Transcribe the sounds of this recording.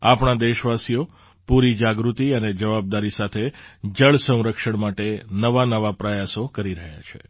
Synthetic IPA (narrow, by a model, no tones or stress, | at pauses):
apɳad̪eʃʋasijo | puɾid͡ʒaɡɾut̪iəned͡ʒəʋab̚d̪aɾisat̪ʰed͡ʒəɭsə̃w̃ɾəkʃəɳmaʈenəʋanəʋapɾəjasokəɾiɾəɦja̰t͡ʃʰḛ